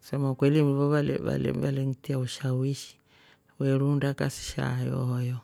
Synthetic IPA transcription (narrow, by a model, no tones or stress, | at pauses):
samakwɛliβɔβalɛ̰βa̰lɛ̰βalɛŋtiauʃawiʃi̥ | wɛɺundakasi̥ʃa̰jɔ̰hɔjɔ